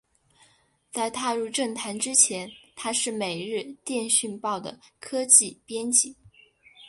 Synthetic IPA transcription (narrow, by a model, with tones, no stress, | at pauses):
t͡sa˥˧ɪt̪ʰa˥˧ɻu˥˧ʈ͡ʂɤ˥˩ŋt̪ʰa˧˥nʈ͡ʂɻ̩˥t͡ɕʰjɛ˧˥nt̪ʰa˥ʂɻ̩˥˩me˨˩ɪɻɻ̩˥˧t̪jɛ˥˧nɕy˥˧npɑ˥˩ʊd̪ə̰˩kʰɤ˥t͡ɕi˥˩pjɛ˥nt͡ɕi˧˥˩